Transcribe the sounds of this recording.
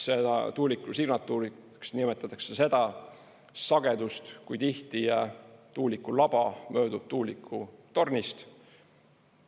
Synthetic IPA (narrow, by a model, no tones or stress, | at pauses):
sed̪ɑ̰t̪uːlikˑːusiɡnɑt̪ːˑuːɾi | ksnimet̪ːˑɑt̪ːˑɑksese̞d̪̥ɑ | sɑɡ̥e̞d̪ust̪kujt̪iht̪ijɑt̪uːlikːulɑb̥ɑmø̞ːd̪ub̥̚t̪uːlikʰːut̪o̞rnist̪